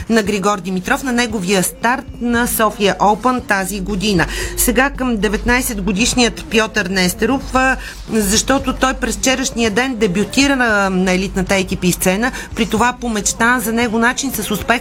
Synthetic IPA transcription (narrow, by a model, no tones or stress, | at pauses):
nɐɡɾiɡɔɾd̪imit̪ɾɔfnɐnɛɡoviəst̪aɾt̪nɐsɔfiəʔɔpənt̪aziɡod̪inəsɛɡakəmd̪ɛvɛt̪najsɛd̪ɡod̪iʃnijət̪pjɔt̪əɾnɛst̪ɾuf | zɐʃt̪ɔt̪ʊt̪ɔjpɾɛsft͡ʃɛɾəʃniəd̪ɛnd̪ɛbjʊt̪iɾənɐɛlit̪nət̪əɛk̟ipist̪sɛnəpɾit̪ovapomɛt͡ʃt̪azɐnɛɡʊnat͡ʃinsɐsʊspɛ